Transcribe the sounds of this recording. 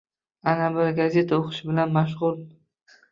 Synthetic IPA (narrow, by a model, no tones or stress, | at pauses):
anabɪɾɡazʲe̞t̪ʰaoqʰʃɪbɪlanmaʃ̬ʁʊlˠ